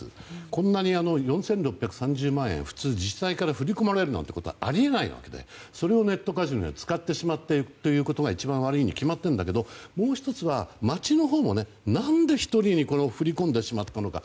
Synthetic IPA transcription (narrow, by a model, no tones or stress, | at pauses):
ɨ̰kõ̞nːaɲ̟iano̞jõ̞ɰ̃sẽ̞nɾo̞pːʲjakɯ̟̥sãɲ̟d͡ʑɨːmãɰ̃ẽɸɯ̟̥t͡sɨːd͡ʑisaikaɾaɸɯ̟ɾʲiko̞maɾe̞ɾɯna̰t̪ːekot̪o̞a̰a̰ɾʲie̞naḭβa̰ke̞̰d̪ḛ | so̞ɾe̞o̞ne̞t̪ːo̞kaʑio̰t͡sɨ̥kat̪ːe̞ɕimat̪ːe̞t̪o̞jɯ̟ːko̞t̪o̞ɡait͡ɕibãɰ̃β̞aɾɯ̟iɲ̟ikʲimat̪ːẽ̞nd̪ake̞d̪o̞mo̞ːçi̥t̪o̞t͡sɨβamat͡ɕino̞ɦo̞ːmo̞ne̞ | nãnd̪e̞çi̥t̪o̞ɾʲiɲ̟iko̞no̞ɸɯ̟ɾʲikõnd̪e̞ɕimat̪ːano̞ka̰